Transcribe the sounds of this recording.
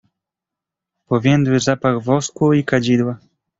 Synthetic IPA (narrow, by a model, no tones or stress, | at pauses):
pɔvʲjɛnd̪wɘzapaɣvɔskwuikad͡ʑid̪wa